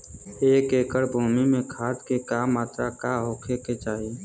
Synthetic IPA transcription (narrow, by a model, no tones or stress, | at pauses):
eːkeːkəɽbʱuːmimẽkʰaːd̪kekaːmːaːt̪ɾakaɦoːkʰeket͡ʃaːɦi